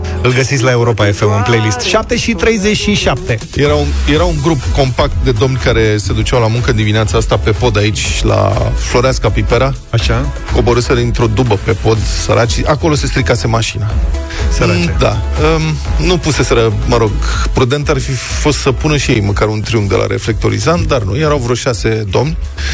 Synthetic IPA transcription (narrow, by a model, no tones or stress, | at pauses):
ɨlɡəsit̪sʲlae̞uɾo̞paefemɨnplejlist̪ʃap̚t̪e̞ʃit̪ɾe̞jze̞t͡ʃʃiʃap̚t̪e̞ | jeɾaunje̞ɾauŋɡɾupko̞mpak̚t̪̚d̪e̞d̪o̞mnʲkaɾe̞se̞d̪ut͡ʃawlamuŋkəɨnd̪imineat̪saast̪ape̞po̞d̪ait͡ʃʲla̰flo̞ɾaskapipeɾa | aʃa | ko̞bo̞ɾɨseɾint̪ɾo̞d̪ubəpe̞po̞d̪sə̰ɾʔat͡ʃiʔakolo̞se̞st̪ɾikase̞maʃina | ad̪aənupuse̞se̞ɾəməɾo̞ɡpɾud̪e̞nt̪arfi | fo̞st̪səpunəʃijejməkaɾunt̪ɾiuŋd̪e̞lʔa̰ɾe̞̰fle̞k̚t̪o̞ɾḭzant̪d̪arnṵjeɾawvɾo̞ʃase̞d̪o̞mnʲ